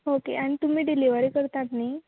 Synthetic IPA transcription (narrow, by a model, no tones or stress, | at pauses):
okḛʔaɽ̃it̪um̤iːɖiliʋəɾikəɾt̪at̪nii